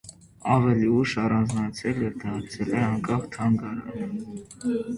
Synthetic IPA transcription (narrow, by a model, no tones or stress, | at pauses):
ɑvɛliuʃɑrɑnd͡znɑt͡sʰɛlɛɾd̪ɑɾt͡sʰɛlɛɑŋkʼɑχt̪ʰɑŋɡɑɾɑ̰nə